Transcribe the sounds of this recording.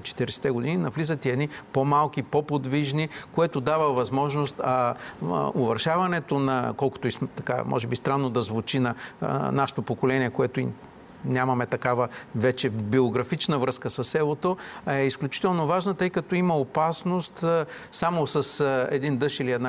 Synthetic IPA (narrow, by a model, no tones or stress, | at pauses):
t͡ʃɛ̥t̪iɾɛsɛ̥t̪ɛɡod̪ininɐvlizət̪iɛd̪nipomalˠkipopod̪viʒnikoɛt̪od̪avəvɐzmɔʒnost̪ɐ | ovɐɾʃavɐnɛt̪onɐ̰kɔlˠko̥t̪oismt̪ɐka̰mʔɔ̰ʒɛbist̪ɾanːod̪ɐzvut͡ʃinɐ̰naʃɛ̥t̪opokolɛniɛkoɛt̪ʊḭ | nʲamɐmɛt̪ɐkavəvɛt͡ʃɛbioɡɾɐfit͡ʃnəvɾɤskəsɐsːɛlˠot̪oɛisklʲut͡ʃi̥t̪ɛlˠnovaʒnət̪ɤjkɐt̪ɔimɐopasnost̪samosɐsɛ̰d̪ind̪ɤʃiliɛd̪na